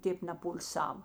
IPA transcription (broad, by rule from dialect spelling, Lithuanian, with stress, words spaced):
ˈtʲeːp nʲɛpʊlʲˈsɐw